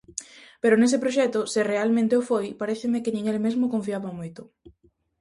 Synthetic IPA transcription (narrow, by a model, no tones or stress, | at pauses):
peɾʊnes̬ɪpɾoʃ̬ɛt̪ʊsɪrealmẽnt̪eofojpaɾeθɪmɪkɪnĩŋelmezmokoɱfiaβamojt̪ʊ